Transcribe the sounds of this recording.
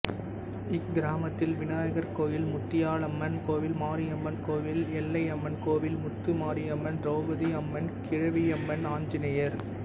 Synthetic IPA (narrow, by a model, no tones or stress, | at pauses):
ɪk̚ɡɪɾaːmɐt̪ːɪlʋɪnaːjɐɣɐɾkoːjɪlmʊt̪ːɪjaːɭɐmːɐnkoːʋɪlmaːɾijɐmːɐnkoːʋɪlɛlːɐɪɐmːɐnkoːʋɪlmʊt̪ːɯmaːɾiɐmːɐnɾoːbɐðiɐmːɐnkɪɻɐʋiɛmːɐnaːɲd͡ʒɪnɐjɐɾ